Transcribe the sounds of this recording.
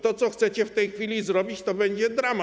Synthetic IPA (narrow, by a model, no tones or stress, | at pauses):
t̪ɔt̪sɔxt̪sɛt͡ɕɛft̪ɛjxfʲilʲizɾɔbʲit͡ɕt̪ɔbɛɲd͡ʑɛd̪ɾama